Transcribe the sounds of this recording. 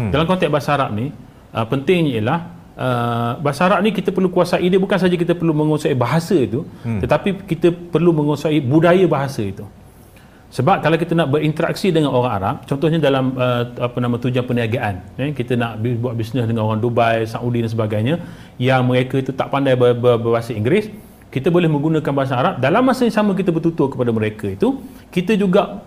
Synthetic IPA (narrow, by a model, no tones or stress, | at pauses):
dalamkɔnt̪ɛk̚basaɾap̚ni | ʔəpənt̪ɪŋɲailah | ʔəbaʔsaɾap̚nikit̪əpərlukuasaʔidibukans̬ad͡ʒak̬it̪əpərlumə̃ŋosaibaɦasəit̪ut̪ət̪apikit̪əpərlumə̃ŋosaʔibudajəbaɦasəit̪u | səbap̚kalawkit̪ənaʔbəɾint̪əɾa̰k̚sidəŋanoɾaŋa̰ɾa̰p̚t͡ʃɔnt̪ɔhɲadalaməapənãmə̃t̪ud͡ʒanpəniaɡaʔanakit̪ənaʔbibuaʔ̪̚bisnəsdəŋanoɾaŋdobajsaŋudidansəbaɡajɲa | jaŋməɾekəit̪ut̪aʔpandajbəbəbabasaiŋɡɾɪs | kit̪əbolɛhmə̃ŋɡunãkanbaɦas̬aːɾap̚dalamːasəɲasamə̃k̬it̪əbərt̪ut̪ʊrkəpadaməɾekəit̪u | kit̪əd͡ʒuɡaʔ